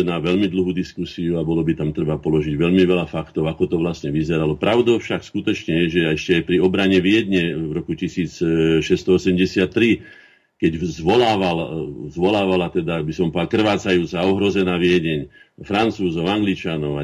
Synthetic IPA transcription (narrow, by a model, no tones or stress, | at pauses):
naʋɛʎmid̪l̩ɦuːd̪iskusiuabɔlɔbit̪amt̪ɾɛbapɔlɔʒiɟʋɛʎmiʋɛlafakt̪ɔʊakɔt̪ɔʋlasɲɛʋizɛɾalɔpɾaʊd̪ɔfʃakskut̪ɔt͡ʃɲɛjɛʒɛaɛʃcɛajpɾiɔbɾaɲɛʋɪɛd̪ɲɛʋɾɔkucisiːt͡sʃɛst̪ɔɔsɛmɟɛsɪat̪ːɾi | kɛɟzʋɔlaːʋalzʋɔlaːʋalat̪ɛd̪abisɔmpɔakr̩ʋaːt͡sajuːt͡saɔɦɾɔzɛnaːʋɪɛɟɛɲfɾant͡suːzɔʊaŋɡlit͡ʃanɔʊa